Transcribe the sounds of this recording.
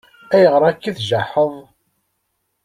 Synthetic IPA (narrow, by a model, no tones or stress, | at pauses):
æjəʁɾˤɑkːiθʒaħəðˤ